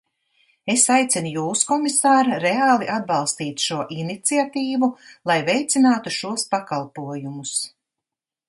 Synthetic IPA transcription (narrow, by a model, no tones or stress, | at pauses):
esajt̪sɛnujuːskɔmisaːɾaɾeaːlˠiʔad̪̚bɑlˠst̪iːt̪ʃuɔʔinit̪siat̪iːvulˠajvɛjt̪sinaːt̪uʃuɔspakalˠpuɔjumus